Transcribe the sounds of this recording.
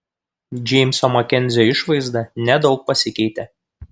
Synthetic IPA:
d͡ʒʲɛɪmʲsɔmɔkʲɛnʲzʲoɪʃʋɐɪzd̪ɐnʲɛd̪ɒʊk̚pɐsʲɪkʲɛɪt̪ʲe

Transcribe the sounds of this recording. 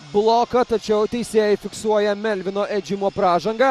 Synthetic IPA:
blˠokɐt̪ɐt͡ʃʲɛʊt̪ʲɛɪsʲeːjɛɪfʲɪksuɔjɛmʲɛlʲʋʲɪnoːʔɛd͡ʒʲɪmoːpɾɑːʒɐŋɡɐ

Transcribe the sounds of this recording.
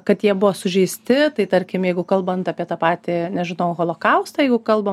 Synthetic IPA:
kɐt̪jiɛbʊʋoːsʊʒʲɛɪsʲt̪ʲɪt̪ɐɪt̪ɐɾʲkʲɪmjɛɪɡʊkɐlˠbɐnt̪ɐpʲiɛt̪ɑːpɑːt̪ʲɪnʲɛʒʲɪnɐʊɣoːlˠokɐʊst̪ɑɐjɛɪɡʊkɐlˠbɐ

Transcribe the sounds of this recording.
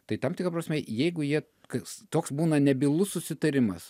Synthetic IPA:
t̪ɐɪt̪ɐmt̪ʲɪkɾɐpɾɐsʲmʲɛjɛɪɡʊjiɛ | kɐst̪oːksbuːnɐnʲɛbʲɪlˠʊssʊsʲɪt̪ɐɾʲɪmɐs

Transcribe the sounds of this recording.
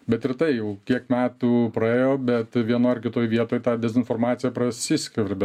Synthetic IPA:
bʲɛt̪ɪrt̪ɐɪjɛʊkʲiɛkmʲæːt̪uːpɾɐeːjoːbʲɛt̪ʋʲiɛnoːɪɾkʲɪt̪oːjʋʲiɛt̪oːjt̪ɑːd̪ʲɛzʲɪnfoːrmɑːt͡ssʲɪjɛpɾɐsʲɪsʲkʲɛɾʲbʲɛ

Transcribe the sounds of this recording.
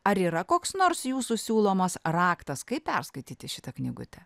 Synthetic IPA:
ɐɾiːɾɐkoːksnoːɾsjuːsusʲuːlˠoːmɐsrɑːkt̪ɐskɐɪpʲɛrskɐɪt̪ʲiːt̪ʲɪʃʲɪt̪ɐknʲɪɡʊ̰t̪ʲɛ

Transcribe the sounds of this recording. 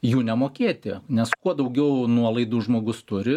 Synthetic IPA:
juːnʲɛmoːkʲeːt̪ʲɪnʲɛskuɔd̪ɐʊɡʲɛʊnuɔlˠɐɪd̪uːʒmoːɡʊst̪ʊɾʲɪ

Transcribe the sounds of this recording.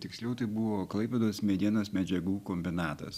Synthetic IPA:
t̪ʲɪksʲlʲɛʊt̪ɐɪbʊʋoːklˠɐɪpʲɛd̪oːsmʲɛd̪ʲiɛnɐsmʲɛd͡ʒʲɛɡuːkomʲbʲɪnɑːt̪ɐ̰s

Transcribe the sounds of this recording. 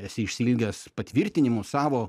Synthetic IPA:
ɛsʲɪɪʃʲsʲilʲɡʲɛspɐt̪ʲʋʲɪɾʲt̪ʲɪnʲɪmʊsɑːʋoː

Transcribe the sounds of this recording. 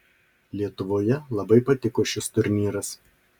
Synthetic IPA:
lʲiɛt̪ʊʋoːjɛlˠɐbɐɪpɐt̪ʲɪkoːʃʲɪst̪ʊɾʲnʲiːɾɐs

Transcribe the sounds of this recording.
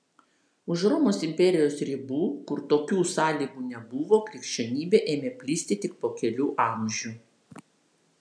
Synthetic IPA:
ʊʃɾɔːmoːsɪmʲpʲɛɾʲɪjoːsɾʲɪbuːkʊɾt̪oːkʲuːsɑːlʲiːɡuːnʲɛbʊʋoːkɾʲɪkʃʲt͡ʃʲɛnʲiːbʲeːʔeːmʲeːpʲlʲiːsʲt̪ʲɪt̪ʲɪk̚poːkʲɛlʲuːʔɑˑmʲʒʲuː

